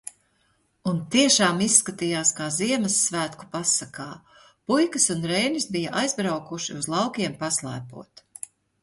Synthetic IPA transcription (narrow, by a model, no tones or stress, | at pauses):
unt̪iɛʃaːmissːkat̪ijaːskaːziɛmɐsːvæːt̪ku̥pasakaː | pujkɐsunɾɛjnisbijɐʔajzbɾawkuʃḭuzlˠɑwkʲiɛmpaslˠæ̰ːpṵɔt̪